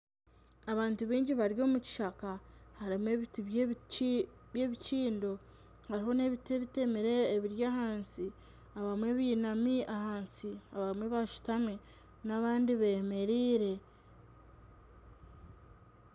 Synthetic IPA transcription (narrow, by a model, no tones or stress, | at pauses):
aβaːntuβiːɲɟiβaɾjo̞ːmuci̥ʃakahaɾimwe̞βitiβ | βje̞βit͡ʃiːndo̞ | haɾiɦo̞ne̞βite̞βite̞meɾe̞ːβiɾjaːhaːnsi | aβamwe̞βiːnamiahaːnsiaβaimweβaʃu̥tamwe | naβaːndiβeːme̞ɾiːɾe̞